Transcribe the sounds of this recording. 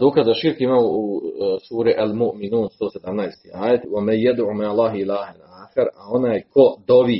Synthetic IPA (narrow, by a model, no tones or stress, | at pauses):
d̪oːkazaʃiɾkimausuːɾeʔalmoʔminuːnst̪oːsed̪amnajst̪iːʔaːjet̪wamanjad̪ʕuːmaʕlˠˤːɑːɦilaːhanaːxaɾao̞naːjkʰo̞d̪oʋiː